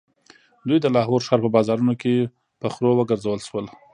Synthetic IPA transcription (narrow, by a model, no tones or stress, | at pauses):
d̪ujd̪əlɑɦoɾʃɑɾpəbɑzɑɾunoke | pəxɾowəɡəɾzawəlʃwəl